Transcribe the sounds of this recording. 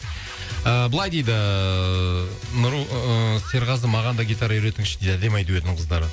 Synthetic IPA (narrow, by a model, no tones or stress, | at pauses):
əbəlˠɑjd̪e̞jd̪ɪ | nʊɾuəse̞ɾʁɑzəmɑʁɑnd̪ɑɡʲit̪ɑɾɑjʏɾe̞t̪ɪŋʃɪd̪ed̪æd̪emɑjd̪əwet̪nɪŋqʰəzd̪ɑɾə